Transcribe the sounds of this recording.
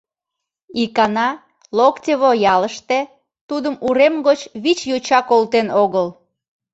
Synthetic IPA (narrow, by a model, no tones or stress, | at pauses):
ikɑnɑ | loktʲəβojɑləʃt̪e | t̪ud̪əmuɾemɡot͡ɕβit͡ɕjot͡ɕɑkolt̪enoɣəl